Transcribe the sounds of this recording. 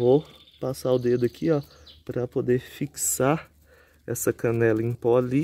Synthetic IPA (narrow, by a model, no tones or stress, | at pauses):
vo | pasaʊd̪ed̪ʊɐkʰiɔ | pɾɐpod̪eɾfiksaɾ | ɛsɐkɐ̃nɛlɐẽpɔɐli